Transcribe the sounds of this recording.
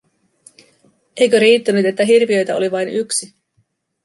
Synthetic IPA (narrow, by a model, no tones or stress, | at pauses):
e̞jkøɾiːt̪ːænyt̪e̞t̪ːæɦirʋiø̞jt̪æoliʋɑjnyksi